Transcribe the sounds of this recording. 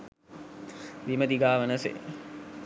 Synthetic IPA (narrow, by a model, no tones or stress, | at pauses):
ʋiməd̪iɡaːʋənəsḛ